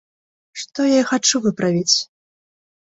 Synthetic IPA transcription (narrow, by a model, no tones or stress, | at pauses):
ʂt̪ɔjaixat͡ʂuvɨpɾavʲit͡sʲ